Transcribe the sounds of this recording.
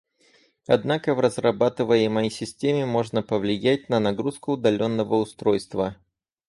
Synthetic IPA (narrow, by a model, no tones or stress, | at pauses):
ɐd̪nakəvrəzrɐbat̪ɨvəjɪməjsʲɪsʲtʲemʲɪmo̞ʐnəpəvlʲɪjæt̚ʲnənɐɡɾuskʊːd̪ɐlʲo̞nːəvəʊst̪ɾo̞jst̪və